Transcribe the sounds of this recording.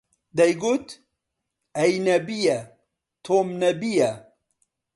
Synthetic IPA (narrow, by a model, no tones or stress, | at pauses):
d̪ɐjɡut̪ | ɐjnɐbijɐ | t̪ʰoːmnɐbijɐ